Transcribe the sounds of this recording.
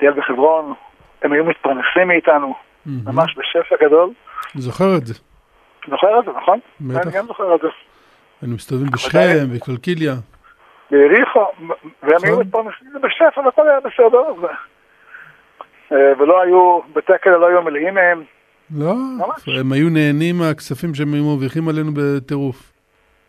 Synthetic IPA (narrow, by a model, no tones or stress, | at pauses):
t̪ijelbeχevʁo̞n | emajumit̪̚paʁnesimːiːt̪anu | m̩hmamaʃbeʃefaɡad̪o̞lzoχeʁetze | zoχeʁelzenaχon | bet̪aɡamzoχeʁelze | anumist̪avimbeʃχemvekalkilja | beiʁiχoveemajumit̪̚pamiχibeʃefavekolajabesed̪eʁze | veloajubet̪ekelloajumeleʔimehem | loaaemajuneːnimaksafimʃeemajumoviχimalenubet̪eʁuf